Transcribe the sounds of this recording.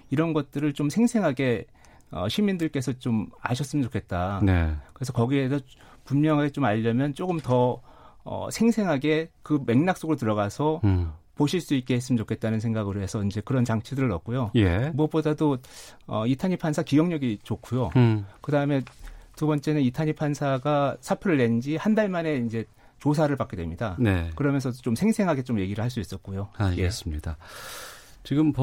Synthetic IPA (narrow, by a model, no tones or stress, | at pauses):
iɾʌnɡʌt̚t͈ɯɾɯɭt͡ɕomsʰe̞ŋsʰe̞ŋɦaɡe̞ | ʌ̰ɕʰimindɯɭk͈e̞sʰʌt͡ɕoma̰ɕʰʌs͈ɯmənt͡ɕokʰe̞t̚t͈anḛkɯɾe̞sʰʌkʌɡiesʰʌ | pummjʌŋɦaɡet͡ɕomaʎːʌmjʌnt͡ɕ͈oɡɯmtʌ | ʌ̰sʰe̞ŋsʰe̞ŋɦaɡe̞kɯme̞ŋnak̚s͈oɡɭt̬ɯɾʌɡasʰʌpoɕʰiɭs͈uit̚k͈eɦes͈ɯmnt͡ɕokʰe̞t̚t͈anɯnsʰe̞ŋɡaɡɯɾoɦe̞sʰʌind͡ʑe̞kɯɾʌnt͡ɕaŋt͡ɕʰidɯɾɯɾʌk̚k͈ujojemuʌp͈odadoʌ̰itʰaɲipʰansʰakijʌŋɲʌɡit͡ɕokʰujokɯdaɯme̞tubʌnt͡ɕ͈e̞nɯnitʰaɲipʰansʰaɡasʰapʰɯɾɯɭːe̞nd͡ʑihandaɭmane̞ind͡ʑe̞ | t͡ɕos̬ʰaɾɯɭpak͈e̞dwe̞mɲidanekɯɾʌmjʌnsʰʌot͡ɕomsʰe̞ŋsʰe̞ŋɦaɡe̞t͡ɕomje̞ɡiɾɯɭhaɭs͈uis͈ʌt̚k͈ujoaes͈ɯmɲida | t͡ɕiɡɯmp